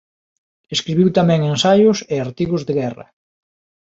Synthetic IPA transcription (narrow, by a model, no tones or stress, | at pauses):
eskɾiβiwt̪amɛ̃ŋensajʊseaɾt̪iɣʊzðeɣɛrɐ̰